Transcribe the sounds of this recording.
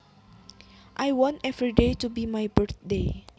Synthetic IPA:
ʔajwɔ̃ntɛvɹidetubimajbəɹθ̚de

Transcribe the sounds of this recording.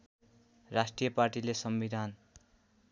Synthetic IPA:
rasʈrijʌparʈilesʌmbid̪ʱan

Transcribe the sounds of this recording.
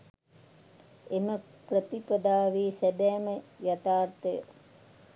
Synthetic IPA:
emə | prət̪ipɐd̪aːʋiːsæbɛːməjat̪aːrt̪əjə̰

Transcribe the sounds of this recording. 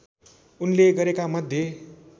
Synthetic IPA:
unleɡʌɾekamʌd̪ʱje

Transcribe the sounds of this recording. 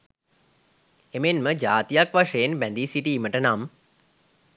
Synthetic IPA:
emenməd͡ʒaːt̪ijakʋaʂejenbænd̪isiʈiːməʈənam

